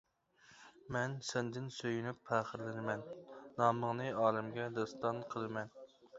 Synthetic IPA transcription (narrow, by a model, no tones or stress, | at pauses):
mɛnsɛnd̪ɪnsøjynypʰːæːχəɾlɪnɪmɛnːɑːməŋnɨɑːlɪmɡʲɛd̪ɑst̪ɑnqʰəlˠɨmɛn